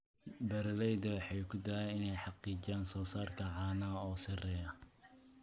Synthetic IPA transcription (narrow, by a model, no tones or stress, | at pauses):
bɐɾɐlɛjd̪ɐwɑħɑjkʰʊd̪ɐɛjɪnɛjħɑqiːd͡ʒaːnsɔːsaːrkʰɐʕɑːnɐɔːsɐrɛːjɐ